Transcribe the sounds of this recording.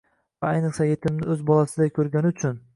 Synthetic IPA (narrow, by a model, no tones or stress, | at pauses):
vaajnɨqsaje̞t̪ʰɪmnɪɵzbɒlˠasɪd̪ajkʲʰɵɾɡʲanɪʊt͡ʃʰʊn